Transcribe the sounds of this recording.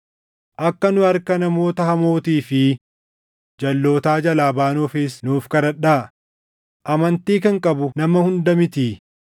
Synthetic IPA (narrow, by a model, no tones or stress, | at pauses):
ʔɐkːɐnʊɐɾkɐnɐmo̞ːt̪ɐhɐmo̞ːt̪iːfɪ | d͡ʒɐlːo̞ːt̪aːd͡ʒɐlaːbaːnɔfɪsnuːfkɐɾɐᶑaː | ʔɐmɐnt̪iːkɐŋkʼɐbʊnɐmɐhʊnd̪ɐmɪt̪iː